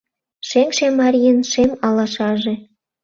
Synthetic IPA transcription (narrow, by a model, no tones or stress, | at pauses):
ʃeŋʃemɑɾʲiənʃemɑlɑʃɑʒĕ